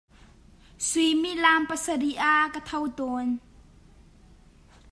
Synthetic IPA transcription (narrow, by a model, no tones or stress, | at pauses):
simiʔlaːmpasədiʔaːkat̪ʰɐwt̪ɔn